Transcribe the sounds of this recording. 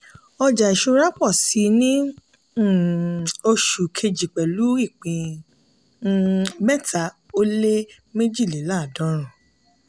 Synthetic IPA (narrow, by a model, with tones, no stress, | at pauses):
ɔ˧d͡ʒa˨i˨ʃu˧ɾa˦k͡pɔ˦˨si˨˦nĩ˦˨ | o˧ʃu˨kʰe˧d͡ʒi˨k͡pɛ˨lu˨˦i˦˨k͡pĩ˧˦ | mɛ˦tʰa˨˦o˦le˦ | me˦d͡ʒi˦˨li˨˦la˦˨dɔ̃˨˦ɾ̃ũ˨